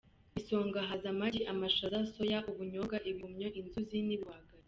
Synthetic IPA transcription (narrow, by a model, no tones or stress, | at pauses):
iso̞ːŋɡaɦazamaɾiʔamaʃazaso̞jaʔuβuɲoɡaʔiβiumɲoʔinzuziniβwaɡaɾi